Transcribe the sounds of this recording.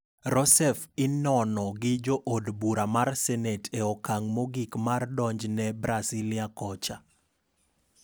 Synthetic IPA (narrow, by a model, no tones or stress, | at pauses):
ɾɔsɛfɪnɔnɔɡɪd͡ʒoʔodbuɾamarsɛnɛtʰeɔkaŋmoɡikmardɔɲd͡ʒnɛbɾasiliakɔt͡ʃa